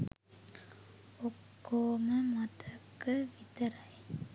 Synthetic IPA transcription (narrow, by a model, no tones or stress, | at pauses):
okːoːməmɐt̪ɐkːɨʋit̪ɐɾɐj